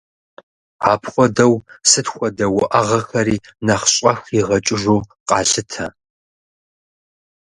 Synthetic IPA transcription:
a̰ːpʰχʷɔdɐwsɨtxʷɔdɐwʊʔɐʁɐxɐɾiːnɐχɕʼɐxiʁɐt͡ʃʼɪʒuːqʼɑːɬɨtʰɐ̰

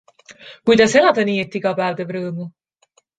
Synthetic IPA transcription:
kujd̪̥ɑselɑd̪̥ɑniːet̪ːiɡ̥ɑpæːvd̪evɾɤːmu

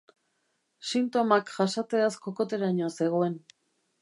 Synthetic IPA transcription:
sint̪o̞makʝasat͡s̪e̞askoko̞t̪e̞ɾaɲose̞ɣ̞oe̞n

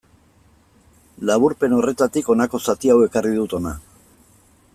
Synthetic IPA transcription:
laβ̞uɾpe̞no̞re̞t̪at̪iko̞nako̞sat̪iawe̞kariðut̪o̞na

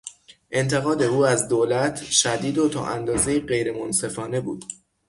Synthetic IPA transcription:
ʔe̞nt̪ʰe̞ɣɒːd̪e̞uːæzd̪oːlæt̪ʰʃæd̪iːd̪ot̪ʰɒ̰ːʔænd̪ɒːze̞jiːɢe̞jɾe̞monse̞fɒːne̞bṵːd̪̥

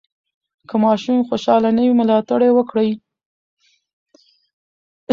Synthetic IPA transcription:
kəmɑʃumxoʃɑlanəwimʊlɑt̪aɽewəkɽəj

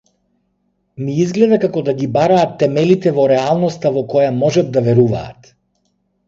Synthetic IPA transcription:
miizɡlɛd̪akakɔd̪aɡibaɾaːt̪ːɛmɛlit̪ɛvɔɾɛalˠnɔst̪avɔkɔjamɔʒad̪̚d̪avɛɾuva̰ːt̪

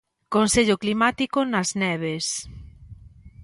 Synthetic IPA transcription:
konseʎʊklimat̪ikonɐznɛβ̞es

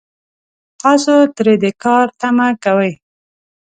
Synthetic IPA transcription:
t̪ɑsot̪ɾed̪ekɑɾt̪amakawəj

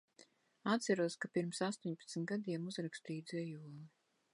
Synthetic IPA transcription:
at̪t̪sæɾuɔskapiɾmsast̪uɔɲʲpḁt̪snʲt̪ɡad̪iɛmuzɾakst̪iːjd̪zɛjuɔlˠi

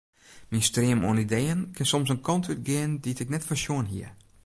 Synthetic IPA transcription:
minstrɪəmṵənidejənkʰɪnsɔmsənkʰɔntʰyt̚ɡɪənditɪknɛtfərsjuənɦḭər

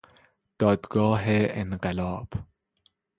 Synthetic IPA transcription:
d̪̥ɒːd̪ɡɒːɦeenɢelɒːb̥

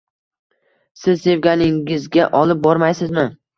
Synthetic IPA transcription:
sɪzse̞vɡʲanɪŋɪzɡʲaʔɒlˠɪp̚bɒɾmajsɪzmɪ

